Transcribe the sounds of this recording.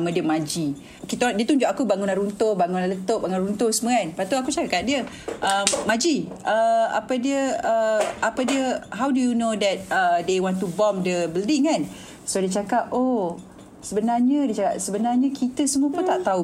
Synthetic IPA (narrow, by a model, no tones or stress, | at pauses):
mədiəmãd͡ʒi | kit̪adiət̪uɲd͡ʒʊkakubaŋunanɾunt̪obaŋunalət̪oʔbaŋunɾunt̪osəməanpat̪uakut͡ʃakakaʔ̚diə | ʔəmːãd͡ʒiʔəa̰pədiəəapədiəɦawdujunodɛt̪̚ədewɔ̃nt̪ubɔmdəbildɪŋkan | sodiət͡ʃakap̚o | səbənarɲədiət͡ʃaka̰ʔsəbənarɲəkʰit̪əsəmuəpunt̪aʔt̪au